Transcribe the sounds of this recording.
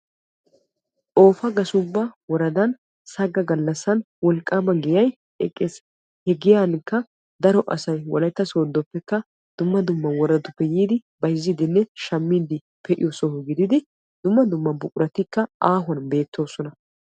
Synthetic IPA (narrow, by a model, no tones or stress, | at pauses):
ʔo̞ːfɐɡɐsʊbːɐwɔɾɐd̪ɐn | sɐɡɐɡɐlːɐsːɐn | wɔlkʼːaːbɐɡɪjɐj | ɛkʼːes | hɛɡɪjankːɐ | d̪ɐɾɔʔɐ̰sɐjwɔlɐjt̪ːɐsoːd̪ːɔpːɛkːɐ | d̪̥ʊmːɐd̪ʊmːɐwɔɾɐd̪ʊpːɛjiːd̪ɪ | bɐjzːid̪ɪnːɛʃɐmːiːd̪ɪ | pʰɛʔɪ̰jɔsɔhɔɡɪd̪ɪd̪ɪ | d̪̥ʊmːɐd̪ʊmːɐbʊkʼʊɾʔɐt̪ɪkːɐʔaːɦɔnbe̞ːt̪ːo̞ːsɔnɐ